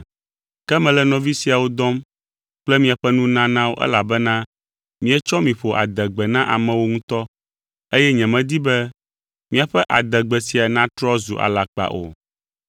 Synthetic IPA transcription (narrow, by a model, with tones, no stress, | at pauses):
kɛ˦mɛ̃˨lɛ˦nɔ̃˨vi˦si˨a˨wo˦d̪ɔ˦m | k͡plɛ˦mĩ˨a˨ɸɛ˦nũ˦nã˦nã˦wo̰˦ʔɛ̰˦la˨bɛ˦nã˦ | mĩ˦ɛ˦t͡ʃɔ˦mĩ˨ɸo˨ʔa̰˨d̪ɛ˨ɡ͡bɛ˨nã˦ʔa˨mɛ̃˨wo˦ŋũ˦t̪ɔ˦ | e˦jɛ˦ɲɛ̃˨mɛ̃˨d̪i˦bɛ˦ | mĩ˦a˨ɸɛ˦ʔa˨d̪ɛ˨ɡ͡bɛ˨si˨a˨nã˦t̪ɾɔ˦zu˨ʔa̰˨la˨k͡pa̰˨ʔo̰˨